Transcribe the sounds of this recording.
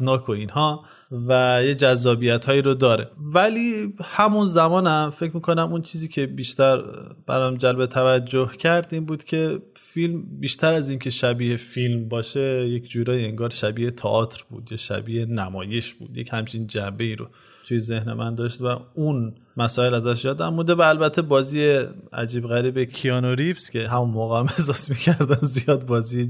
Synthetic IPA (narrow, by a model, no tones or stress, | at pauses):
nɒːkʰoiːnhɒː | væjed͡ʒæzːɒːbijæt̪hɒːjiːɾod̪ɒːɾe̞̰vælihæmunzæmɒːnæmfe̞cʰɾmiːkʰo̞næmunt͡ʃʰiːziːcʰe̞biːʃt̪æɾb̥æ̰ɾɒːjmd͡ʒælbet̪ʰævæd͡ʒːohcʰæɾd̪iːmbuːd̪̥cʰe̞ | filmbiːʃt̪ʰæɾæziːncʰe̞ʃæbiːhefilmbɒːʃe̞jekʰd͡ʒuːɾɒːjieŋɡɒːɾʃæbiːhet̪ʰɒʔɒːt̪ʰɾb̥ṵːd̪jeʃæ̰biːhenæmɒːje̞ʃb̥ṵːd̪jechæmt͡ʃʰind͡ʒæmbe̞iːɾo̰ | t̪ʰujeze̞hne̞mʔænd̪ɒːʃt̪væun | mæsɒːelæzæʃ̬jɒːd̪æmmud̪ebæːlbæt̪ʰːe̞bɒːziːeæ̰d͡ʒiːbɣæɾiːbekʰiɒnoɾifscʲʰe̞ɦæmunmoɣææmesɒːsmiːcʰæɾd̪ænzijɒːd̪̚bɒːziːe